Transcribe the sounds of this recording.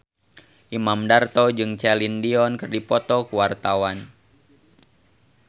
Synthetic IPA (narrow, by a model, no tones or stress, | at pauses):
ʔimamdart̪ɔd͡ʒɨŋt͡ʃɛlindiɔnkɨrdipɔt̪ɔkuwart̪awan